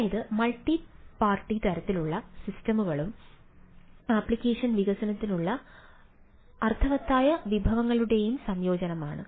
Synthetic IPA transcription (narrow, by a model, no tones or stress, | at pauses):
jɐðɨmɐɭʈːipaːrʈːit̪ɐɾɐt̪ːiluɭːɐsistɐmuɣɐɭum | aːpːɭikʲːe̞ːʂɐnʋiɣɐsɐnɐt̪ːinuɭːɐ | ɐrt̪ʰɐʋɐt̪ːaːjɐʋibʱɐʋɐŋːɐɭuɽe̞jumsɐmjo̞ːd͡ʑɐnɐma̰ːɳɨ̰